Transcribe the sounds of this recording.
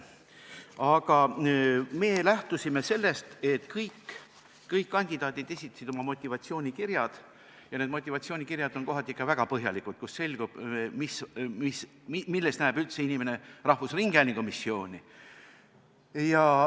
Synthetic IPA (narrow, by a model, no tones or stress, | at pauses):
ɑɡɑ | me̞ːlæht̪usime̞se̞lːe̞st̪e̞t̪kɤjkː | ɤjkːɑnʲd̪̥id̪̥ɑːt̪id̪̥e̞sʲi̥t̪ːˑɑ̥sid̪̥omɑmo̞t̪ʲːˑivɑt̪sio̞ːnʲikirjɑd̪̥ | jɑned̪mo̞t̪ʲːˑivɑt̪sioːnʲikirjɑd̪̥o̞nko̞ɦɑt̪ːˑikːˑɑvæɡ̥ɑpɤɦjɑlikud̪̥̚kusːe̞lʲɡ̥ub̥misis | milːest̪næːb̥ylt̪se̞inimene̞rɑhvusriŋɡ̥ælʲiŋɡ̥umisːio̞ːnʲi | jɑ